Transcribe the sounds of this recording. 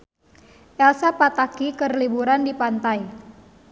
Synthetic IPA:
ʔɛlsapat̪akikərlibuɾandipant̪aj

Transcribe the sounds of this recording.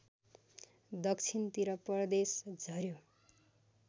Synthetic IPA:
d̪ʌkt͡sʰint̪iɾʌpʌrd̪esd͡zʱʌɾjo

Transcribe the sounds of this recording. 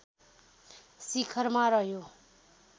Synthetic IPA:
sikʰʌrmaɾʌɦjo

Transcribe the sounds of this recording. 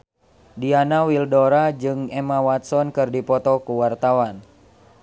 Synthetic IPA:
dianawildɔɾad͡ʒɨŋɛmawat̪̚sɔnkɨrdipɔt̪ɔkuwart̪awan

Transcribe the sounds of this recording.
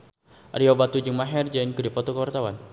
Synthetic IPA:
ʔaɾiobat̪ud͡ʒɨŋmaɦɛrd͡ʒainkuɾipɔt̪ɔkəwart̪awan

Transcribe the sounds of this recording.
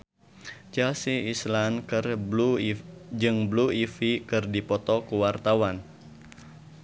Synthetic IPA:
t͡ʃalsiislankɨr | d͡ʒɨŋbluifikɨrdipɔt̪ɔkuwart̪awan

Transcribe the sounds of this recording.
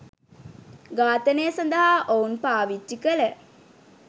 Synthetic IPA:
ɡaːt̪ənejəsɐnd̪əɦaːʔounpaːʋid͡ʒːikələ

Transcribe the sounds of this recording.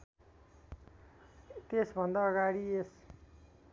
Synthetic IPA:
t̪esbʱʌnd̪aːɡaɽies

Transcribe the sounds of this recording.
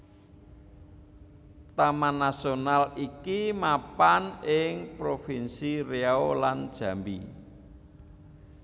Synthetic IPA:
t̪amanasionalikimapanɪŋpɾofinsireaoland̥ʒ̥ä̤mbi

